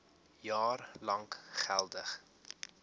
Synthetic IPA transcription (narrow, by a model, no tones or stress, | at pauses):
jɑːrlɐŋχælˠdəχ